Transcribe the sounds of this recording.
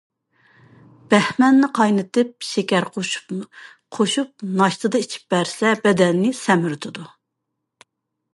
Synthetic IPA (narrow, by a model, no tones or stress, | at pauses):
b̥ɛhmɛnːɨqʰɑjnɨt̪ʰɨp̚ʃekʲɛɾqʰoʃu̥ | qʰoʃup̚nɑʃt̪ʰɨd̪ɨit͡ʃʰi̥p̚bæɾsɛbɛd̪ɛnːɪsɛmyɾt̪ʰɨd̪u